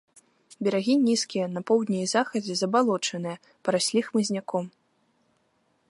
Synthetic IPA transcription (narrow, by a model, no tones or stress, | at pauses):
bʲɛɾaɣʲinʲiskʲijɐnɐpɔwd̪ʲnʲiizaxɐd͡zʲɛzɐbalˠɔt͡ʂɐnɨjɛ | pɐɾasʲlʲixmɨzʲnʲakɔm